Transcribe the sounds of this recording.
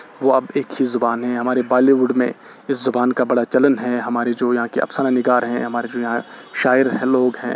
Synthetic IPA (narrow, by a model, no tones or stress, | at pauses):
ʋoɐbeːkɦizʊbaːnɦɛ̃ɦɐmaːɾebaːliʋʊɖmḛ̃ | ɪszʊbaːnkabɐɽat͡ʃɐlənɦɛɦɐmaːɾed͡ʒoːjɐɦãkeʔɐ̰psananɪɡaːɾɦɛ̰̃ɦɐmaːɾed͡ʒoːjɐɦãʃaːɪəɾɦɛ̃loːɡɦɛ̰̃ː